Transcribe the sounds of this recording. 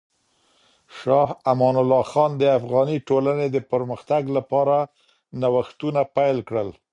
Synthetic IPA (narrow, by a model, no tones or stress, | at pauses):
ʃɑhamɑnʊlːɑxɑnd̪əafɣɑniʈolaned̪əpəɾməxt̪aɡlapɑɾa | nawaxt̪unapajlkɽəl